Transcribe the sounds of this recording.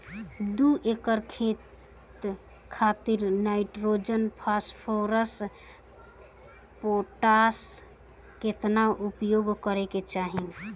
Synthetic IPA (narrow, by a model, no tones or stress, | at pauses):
d̪uʔekəɾkʰet̪ | kʰat̪iɾnaɪʈɾod͡ʒənpʰaspʰoɾəs | poʈas | ket̪naʔupjoɡkəɾeket͡ʃaɦi